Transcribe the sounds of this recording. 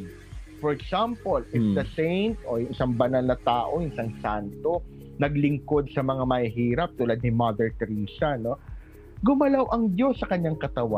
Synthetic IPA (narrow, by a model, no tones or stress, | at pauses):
fɔɹɛksampolʔɪfd̪ɐsejnt̪ojʊŋʔɪsaŋbɐnalnɐt̪aːʔo̞jʊŋɪsaŋsant̪o̞ | nɐɡlɪŋko̞d̪̚sɐmɐŋamɐhihiːɾɐp̚t̪uːlad̪̚nɪmɐd̪ɛɹt̪ɾiːsɐno̞ | ɡʊmɐlawʔɐŋd̪jo̞sːɐkɐɲːaŋkɐt̪ɐwa